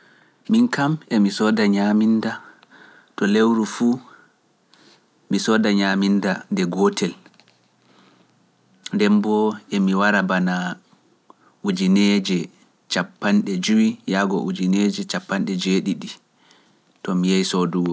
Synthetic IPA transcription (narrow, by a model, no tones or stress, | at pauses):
minkamɛmisɔdaɲaminda | tɔlewɾufu | misɔːdaɲaːmindandɛɡɔtʰɛl | ndɛmbɔɛmiwaɾabana | ud͡ʒined͡ʒɛ | t͡ʃapːanɗɛd͡ʒuwijaɡɔ̰ʔud͡ʒined͡ʒɛt͡ʃapːanɗɛd͡ʒeɗiɗi | tɔmijajsoduwɔ